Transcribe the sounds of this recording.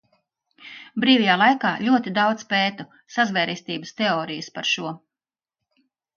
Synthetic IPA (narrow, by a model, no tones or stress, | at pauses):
bɾiːvʲɛjaːlˠajkaːʎʲuɔt̪id̪awd̪speːt̪u | sazvɛːɾist̪iːbəst̪eɔːɾijəspaɾʃuɔ